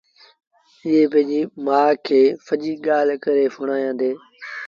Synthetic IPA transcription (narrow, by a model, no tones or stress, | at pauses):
ɪɦepɐ̃ɦɪ̃ɲd͡ʑiːmãːkʰeːfəʄiːɠaːl̤kɐɾefʊɽ̃ãːjãːnd̪eː